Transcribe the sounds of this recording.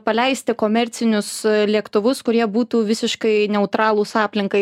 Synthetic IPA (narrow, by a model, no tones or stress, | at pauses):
pɐlʲɛɪsʲt̪ʲɪkoːmʲɛɾʲtsʲɪnʲʊslʲiɛkt̪ʊʋʊskʊɾʲiɛbuːt̪uːʋʲɪsʲɪʃkɐɪnʲɛʊt̪ɾɑːlˠuːsɑːpʲlʲɪŋkɐɪ